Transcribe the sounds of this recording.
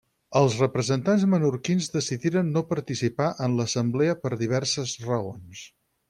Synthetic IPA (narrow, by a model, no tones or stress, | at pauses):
əlˠzrəpɾəzənt̪anzmənuɾkinzðəsiðiɾənːopəɾt̪isipaʔənləsəmbleəpəɾðiβ̞ɛɾsəzrəons